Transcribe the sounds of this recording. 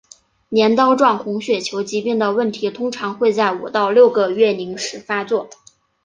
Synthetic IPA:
njɛ˧˥nt̪ɑ˥ʊʈ͡ʂwɑ˥˩ŋxʊ˧˥ŋɕɥɛ˨˩t͡ɕʰjo˧˥ʊt͡ɕi˧˥pi˥˩ŋd̪ə˩wə˥˩nt̪ʰi˧˥t̪ʰʊ˥ŋʈ͡ʂʰɑ˧˥ŋxwe˥˧ɪt͡sa˥˩ɪu˨˩t̪ɑ˥˧ʊljo˥˩ʊɡə˩ɥɛ˥˩ni˧˥ŋʂɻ̩˨˧˥fa˥t͡swɔ˥˩

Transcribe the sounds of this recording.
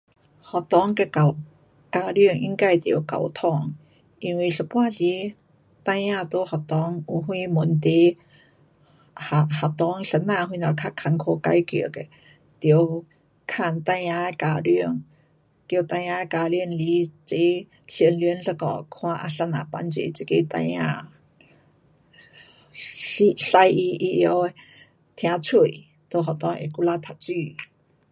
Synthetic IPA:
hɔ˨t̪ɔ˧˦ŋke˧ka˨˩ | ka˧ɾy˧əŋʔḭ˧˥˦ŋka˧jt̪i˨˩ə˦wka̰˨˩wt̪ʰɔ˧˩ŋ | ʔi˧ŋwi˧˨ɬə˧˩pwaː˧˨t͡ɕi˧˥˦ | t̪a˧jãː˧t̪o˧˦hɔ˨˩t̪ɔ˧˦ŋu˧˩ɦwĩ˧mu˨˩nt̪e˧˦ | ha˨˩ha˨˩t̪ɔ˧˥ŋɬə˧nãː˧hwĩ˧nɔ˨˩kʰa˧˥kʰa˧˩ŋkʰo˧ka˧jkḭ˧˨ke˧˨ | t̪i˨˩ə˦w | kʰa˧˩˨nt̪a˧jã˧ka˧˨ɾi˧ə˨ŋ | kjo˧wt̪a˧ja˧˦˧ka˧ɾi˧ə˨nliː˧˦t͡se˧˦ | ɬi˧˨ə˨nli˧ə˦nɬə˧kɔ̰˨kʰw̃a˧ʔa˧ɬa˧na̰˨pa̰˧˨nt͡sḛ˨t͡si˧˦ke˧˨t̪a̰˧jã˧˨ | ɬi˧ɬa˧jʔi˧ʔi˧ʔjɔ˧˦ | t̪ʰj̃ã˧t͡sʰu˧˩˨j | t̪o˧˨ɦa˨t̪ɔ˧˦ŋʔḛ˨ku˧la˧t̪ʰa˨t͡sy˧˨

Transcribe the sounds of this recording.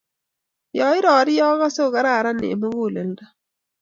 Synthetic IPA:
jɔ˨ɪ˦ɾɔː˨ɾɪ˦jɔ˦ɣa˦so˦˨ka˨ɾa˦˨ɾa˦nɪ̰ː˨mo˦ɡu˦˨le˨lda˦

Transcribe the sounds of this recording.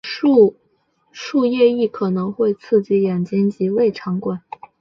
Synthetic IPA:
u˥˧ | ʂu˥˧jɛ˥˧i˥˩kʰɤ˨˩nɤ˧˥ŋxwe˥˧ɪt͡sʰɹ̩˥˧t͡ɕi˧˥˩jɛ˨˩nt͡ɕi˥nt͡ɕi˧˥we˥˩ɪʈ͡ʂʰɑ˧˥ŋkwa˨˩˦n

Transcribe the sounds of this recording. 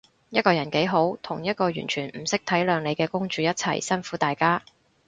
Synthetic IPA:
jɐ˥t̚kɔː˧jɐ˨˩nke˨˥jɦo˨˥wt̪ʰʊ˨˩ŋjɐ˥t̚kɔː˧jy̰ː˨˩nt͡ʃʰyː˨˩nm̩˨˩sɪ˥k̚t̪ʰɐ˨˥jlœː˨˧ŋne˨˧jkɛː˧kʊ˥ŋt͡ʃyː˨˧jɐ˥t̚t͡sʰɐ̰˨˩jsɐ˥nfuː˨˥t̪aː˨jkaː˥

